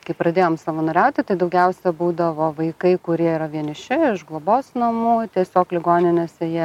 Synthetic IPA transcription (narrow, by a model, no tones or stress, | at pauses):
kɐɪpɾɐd̪ʲeːjoːmsɐʋɐnɐɾʲɛʊt̪ʲɪt̪ɐɪd̪ɐʊɡʲɛʊsʲɛbuːd̪ɐʋoːʋɐɪkɐɪkʊɾʲiɛiɾɐʋʲiɛnʲɪʃʲɪɪʃʒɡlˠoboːsnɐmuːt̪ʲiɛsʲoːklʲɪɡoːnʲɪnʲeːsʲɛjiɛ